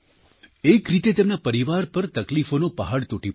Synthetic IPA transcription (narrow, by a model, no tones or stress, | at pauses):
ekɾit̪et̪emnapəɾiʋaɾpəɾt̪əklifonopəɦaɽt̪oʈi